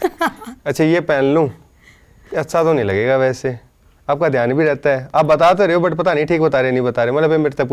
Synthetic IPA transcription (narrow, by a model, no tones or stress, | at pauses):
ɐtːʃʰaːjeːpɛːnlũː | ɐtːsʰat̪onɐĩlɐɡeːɡaʋɛːse | aːp̚kad̪ʱjaːnbʱiɾɛːt̪aɦɛːaːpbɐt̪aːt̪̬oɾeːobɐʈpɐt̪anəĩʈʰiːk̚bɐt̪aːɾenɐ̃ĩbɐt̪aːɾeːmɐt̪ləbemeːɾt̪ep